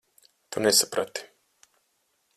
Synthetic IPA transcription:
t̪unesapɾat̪i̥

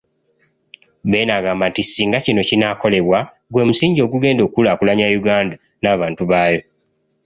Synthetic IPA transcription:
be̞ːnaːɡaːmbantisiːŋɡacino̞cinaːko̞le̞βwa | ɡwe̞ːmusiːɲɟo̞ɡuɡe̞ːndo̞ːkulaːkulaɲajuɡaːnda | naːβaːntuβaːjo̞

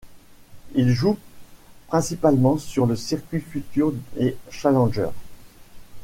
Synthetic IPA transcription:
ilʒu | pχɛ̃sipalmɑ̃syʁləsiʁkʲɥifyt̪yʁeʃalɑ̃ʒœ̰ːʁ

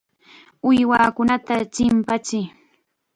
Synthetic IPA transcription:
ʊjwaːkʊnat̪at͡ʃɪmpat͡ʃɪ

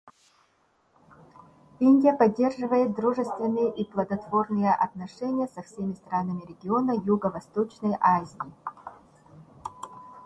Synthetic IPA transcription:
inʲdʲɪjəpɐdʲːe̞rʐɨvəjɪt̪̚d̪ɾuʐɨst̪vʲɪnːɨjəʔiplˠəd̪ɐt̪v̥o̞rnɨjəʔɐ̰t̪nɐʂɛnʲɪjəsɐfsʲemʲɪst̪ɾanəmʲɪɾʲɪɡʲɪo̞nəjuɡəvɐst̪ot͡ɕnəjʔazʲɪɪ

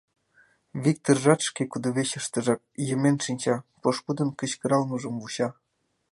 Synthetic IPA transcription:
βʲik̚t̪orʒɑt̪ʃkekud̪ɤβeɕə̆ʃt̪ɤ̆ʒɑk̚jə̆menʃinʲt͡ɕɑpoʃpud̪ɤ̆nkə̆t͡ɕkɤ̆ɾɑlmɤ̆ʒɤ̆mvuɕɑ

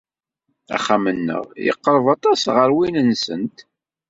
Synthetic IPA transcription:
æ̰χːamənːə̰ʁjə̰qːəɾˤəvɑt̪ˤɑsʁəɾwinənsə̰nt̪

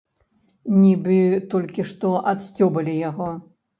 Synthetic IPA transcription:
nʲibɨt̪ɔlʲkʲiʂt̪ɔʔɐt̪sʲt͡sʲɔbɐlʲijaɣɔ

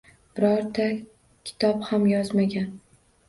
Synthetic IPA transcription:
bɪɾɒɾt̪ʰa | kʲʰɪ̥t̪ʰɒphamjɒzmaɡʲan

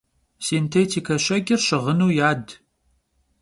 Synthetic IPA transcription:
siːntʰeːtʰiːkʰɐɕɐɡʲɪrɕɪʁənuːjaːd

